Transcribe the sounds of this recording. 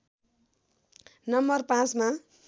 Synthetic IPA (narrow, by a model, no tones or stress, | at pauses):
nʌmbʌrpãt͡sma